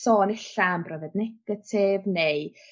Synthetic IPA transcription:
sɔːnɪɬambrɔvɛdnɛɡ̥ətʰɪvnej

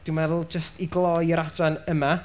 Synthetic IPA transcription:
d̥ɪmvɛðlˠd͡ʒəstiɡlˠɔjəɾadranəma

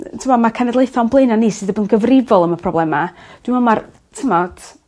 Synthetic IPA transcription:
tʰəmɔmakʰɛnɛdlˠejθɔnblˠeɨnaniːsɨðəbənɡəvrɪvɔlˠəməpʰrɔblˠɛmad̥wɪmɔmar | tʰəmɔd̥

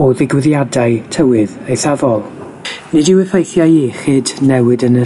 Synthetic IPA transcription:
ɔðɪɡwɪðjadaɨtʰəwɨðejθavɔlˠ | nɨdɪwɛfejθjajiχɨːdnɛwɨdənə

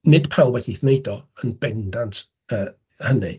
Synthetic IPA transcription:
nɪd̥pʰawlˠwɛdiθnejdɔənb̥ɛndantʰ | əː | hənḭ

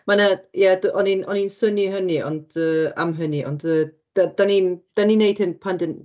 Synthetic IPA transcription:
manajadʔɔninʔɔninsəniɦəniɔ̰ndəa̰mɦəniʔɔ̰ndə | d̥ad̥anind̥aninejd̥hɪnpʰandən

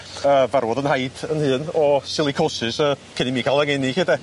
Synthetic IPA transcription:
əvaɾwɔðənhajd̥ənhɨːnɔsɪlˠikʰosɨsəːkʰənimiːkʰalˠəŋenikedɛ

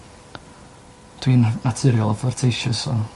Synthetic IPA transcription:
d̥winnatʰɨɾjɔlˠafɔrtʰejʃəsɔ

